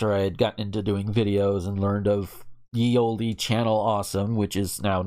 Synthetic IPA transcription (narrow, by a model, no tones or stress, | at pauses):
tə˞aɪɨd̚ɡɑʔn̩ɪ̃ntʉdʉɪ̃ŋvɪɾioʊzə̃nlɜ̃˞ndʌv̥ | jioʊlˠdit͡ʃʰænl̩ˠɔsə̃mwɨt͡ʃɨznaʊ